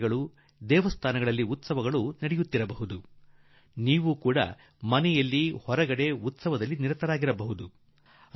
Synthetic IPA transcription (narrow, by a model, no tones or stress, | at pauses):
ɡɐɭu | d̪ɛːʋɐst̪ʰaːnɐɡɐɭɐlːiut̪sɐʋɐɡɐɭunɐɽɛjut̪ːiɾɐbɐɦud̪u | niːʋukuːɽɐ̰ | mɐnɛjɐlːihɔɾɐɡɐɽe̞ut̪sɐʋɐd̪ɐlːiniɾɐt̪ɐɾaːɡiɾɐbɐɦud̪u